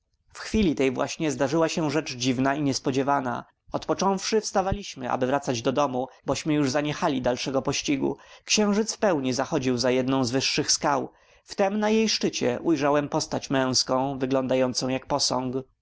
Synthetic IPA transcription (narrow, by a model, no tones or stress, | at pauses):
fxfʲilʲit̪ɛjvwʔa̰ɕɲɛzd̪aʐɘwaɕɛʐɛt͡ʂd͡ʑivnaiɲɛspɔd͡ʑɛvana̰ | ɔt̪pɔt͡ʂɔ̃w̃fʂɘfst̪avalʲiɕmɘʔa̰bɘvɾat̪sad͡ʑd̪ɔd̪ɔmubɔɕmɘjuʐzaɲɛxalʲid̪alʂɛɡɔpɔɕt͡ɕiɡṵkɕɛ̃w̃ʐɘt̪sfpɛwɲizaxɔd͡ʑiwzajɛd̪nɔ̃w̃zvɘʂːɘxskaw | ft̪ɛmnajejʂt͡ʂɘt͡ɕɛ̰ʔujʐawɛmpɔst̪at͡ɕmɛ̃w̃skɔ̃w̃vɘɡlɔnd̪ajɔnt̪sɔ̃w̃jak̚pɔsɔ̃ŋk